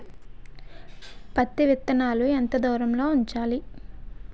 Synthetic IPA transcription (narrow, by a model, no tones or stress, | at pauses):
pɐt̪ːiʋit̪ːɐnaːluent̪ɐd̪ɔːɾɐmlo̞ːuɲt͡ʃaːli